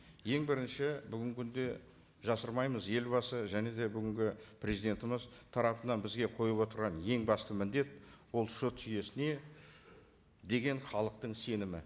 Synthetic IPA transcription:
je̞ŋbɪɾɪnʃɪbʏɡʲɪŋkʲʰʏnd̪e̞ | ʒɑsəɾmɑjməzje̞lbɑsəʒæne̞d̪e̞bʏɡʲɪŋɡʲɪpʰrʲezijd̪e̞nt̪ɪməzt̪ʰɑɾɑpənɑnbɪzɡʲe̞qʰo̞jəpwo̞t̪əɾʁɑnje̞ŋbɑst̪əmɪnd̪e̞t̪wo̞lˠʃʊt̪ʒʏje̞sɪne̞ | d̪e̞ɡʲe̞ɴχɑlˠəq̚t̪əɴse̞nɪmɪ

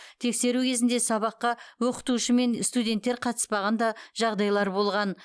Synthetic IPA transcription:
t̪ʰe̞kse̞ɾukʲʰe̞zɪnd̪e̞sɑβɑqːɑwo̞qə̥t̪uʃəme̞nst̪ud̪ʲe̞nt̪ːe̞ɾqʰɑt̪ə̥spɑʁɑnd̪ɑʒɑʁd̪ɑjlˠɑɾbo̞lˠʁɑn

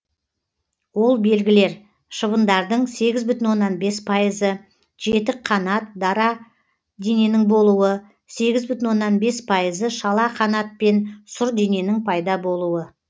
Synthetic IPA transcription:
wo̞lˠbe̞lɡʲɪle̞ɾ | ʃəβənd̪ɑɾd̪əɴse̞ɡʲɪzbʏt̪ɪnwo̞nːɑnbe̞spʰɑjəzə | ʒ̥e̞t̪ɪqʰɑnɑt̪̚d̪ɑɾɑ | d̪e̞ne̞nɪŋbo̞lˠuwə | se̞ɡʲɪzbʏt̪ɪnwo̞nːɑnbe̞spʰɑjəzəʃɑlˠɑqʰɑnɑt̪̚pe̞nsʊɾd̪e̞ne̞nɪŋpʰɑjd̪ɑbo̞lˠuwə

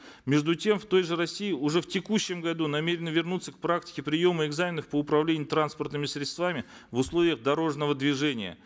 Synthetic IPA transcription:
mʲeʐd̪ʊtʲemft̪o̞jʐɨɾɐsʲːiɪʊʐɛftʲɪkuɕːɪmɡɐd̪unɐmʲeɾʲɪnəvʲɪrnut̪sːək̚pɾaktʲɪ̥kʲɪpɾʲɪjo̞məɪɡzamʲɪnəfpəʊpɾɐvlʲenʲɪjʊt̪ɾanspərt̪nɨmʲɪsɾʲɪt̪st̪vamʲɪ | vʊslˠo̞vʲɪjəɣd̪ɐɾo̞ʐnəvəd̪vʲɪʐɛnʲɪjə̰

